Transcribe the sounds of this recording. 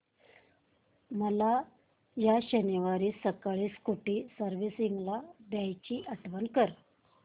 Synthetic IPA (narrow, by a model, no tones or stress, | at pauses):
məla | jaɕəniʋaɾiːsəkaɭiːskuʈiːsəɾʋisiŋɡlabjajt͡ɕiːʔəʈʋənkəɾ